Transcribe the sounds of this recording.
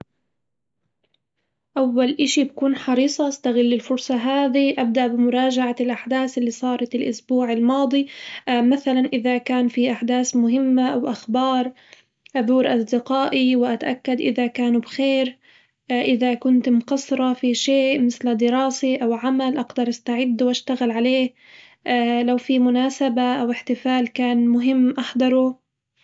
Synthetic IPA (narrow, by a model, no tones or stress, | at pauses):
ʔawːalʔɪʃibakuːnħɑɾiːsˤɑʔast̪aɣɪlːɪlfʊɾsˤɑɦaːðiʔab̚d̪aʔbɪmʊɾˤɑːd͡ʒaʕalʔaħd̪aːθɪlːiːsˤɑːɾˤɑt̪ɪlʔʊsbuːʕɪlmɑːd̪ˤimaθalanʔɪðakaːnfiʔaħd̪aːsmʊɦɪmːaʔawʔaxbɑːɾˤ | ʔaðuːɾʔɑsˤd̪ɪqaːʔiwɪʔat̪aʔakːad̪ʔɪ̰ðakaːnubxeːɾ | ʔɪðakʊnt̪mqɑsˤɾˤɑfiʃeːʔmɪθld̪ɪɾˤɑːseʔawʕamalʔɑɡd̪ɑɾˤʔast̪aʕɪd̪ːwʔaʃt̪aɣalʕaleːh | ʔalawfimʊnaːsabaʔawɪħt̪ɪfaːlkaːnmʊɦɪmːʔɑħd̪ˤɑɾˤu